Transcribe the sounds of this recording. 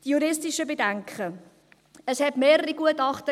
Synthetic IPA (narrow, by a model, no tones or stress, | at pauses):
tjuɾɪstiʃəbedæŋkχə | əshɛtmeːɾəɾiɡuətɑχtə